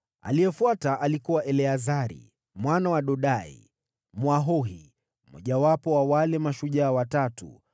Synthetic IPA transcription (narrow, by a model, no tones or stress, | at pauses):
a̰lijɛfuataʔalikuwaʔɛlɛazaɾḭ | mwanawaɗɔɗaḭ | mwaɦɔɦi | mɔ̰ʄawapɔwawalɛmaʃuʄaːwatatṵ